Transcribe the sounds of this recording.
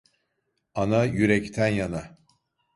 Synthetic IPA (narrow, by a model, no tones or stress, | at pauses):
anajyɾɛct̪ʰænjana